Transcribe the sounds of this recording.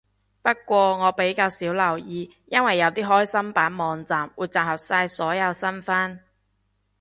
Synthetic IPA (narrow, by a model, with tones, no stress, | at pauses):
pɐ˥kʷɔː˧ŋɔː˨˧pe˨˥jkaː˧wsiː˨˥wlɐ˨˩wjiː˨˧ | jɐ˥nwɐ˨jːɐ˨˧wt̪iː˥ɦɔː˥jsɐ˥mpaː˨˥nmɔː˨ŋt͡saː˨mwuː˨jt͡saː˨˩hɐ˨p̚saː˧jsɔː˨˥jɐ˨˧wsɐ˥nfaː˥n